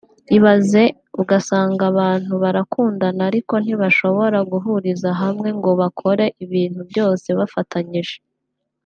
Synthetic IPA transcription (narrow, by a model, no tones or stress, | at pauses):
iβaze̞ | uɡasaːŋɡaβaːn̥huβaɾakuːndanaɾiko̞n̥iβaʃo̞βo̞ɾaɡuɦuɾizaɦamŋe̞ŋɡo̞βakʰo̞ɾe̞ʔiβiːnhubɟo̞ːse̞βafatʰaɲiʒe̞